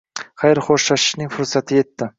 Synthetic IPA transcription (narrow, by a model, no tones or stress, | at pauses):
χɑjɾχoʃlaʃɪ̥ʃnɪŋfʊɾsat̪ʰɪje̞t̪ːɪ